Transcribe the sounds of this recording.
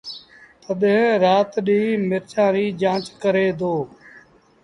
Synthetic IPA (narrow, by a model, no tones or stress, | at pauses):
t̪əɗẽːɾaːt̪ɗiːmɪɾt͡ʃãːɾiːd͡ʒãːt͡ʃkəɾeːd̪oː